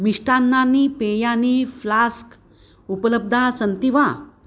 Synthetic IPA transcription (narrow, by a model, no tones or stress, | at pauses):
miʂʈanːanipejaniflask | upələb̚d̪ʱasənt̪iʋa